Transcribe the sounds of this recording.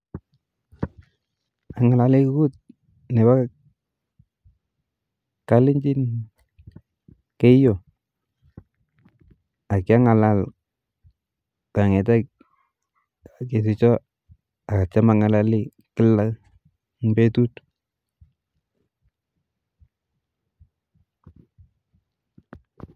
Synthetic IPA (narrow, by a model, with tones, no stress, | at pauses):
a˨ŋa˨la˨li˦ku˦ku˦t̚ | ne˨ba˦ | ka˦lɪ˦ɲd͡ʒi˦n | ke˦jo˨ | a˨kɪ˦a˦ŋa˨la˨˦l | ka˨ŋɛ˨t̬a˦ | a˨ke˨s̬ɪ˦t͡ʃɔ˦ | a˨ka˨t͡ʃa˦ma˨ŋa˨la˦li˦ | kɪ˦la˦ | mbe˦tu˦t